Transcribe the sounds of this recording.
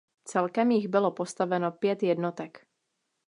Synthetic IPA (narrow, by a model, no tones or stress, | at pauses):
t͡sɛlkɛmjɪɣbɪlopost̪avɛnopjɛt̪jɛd̪not̪ɛk